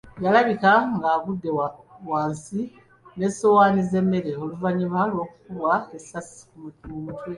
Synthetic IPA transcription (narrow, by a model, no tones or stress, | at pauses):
jalaβikaŋɡaːβudːewaːnsi | ne̞so̞waːnize̞mːe̞ɾe̞oluvaɲimalwo̞ːkukulwaesasi̥kumutumutwe